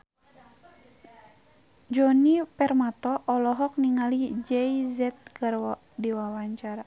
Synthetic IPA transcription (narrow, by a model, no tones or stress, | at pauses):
d͡ʒɔnipɛrmat̪ɔʔːlɔɦɔk̚niŋalid͡ʒɛizɛt̪̚ɡar | diwawaɲt͡ʃaɾa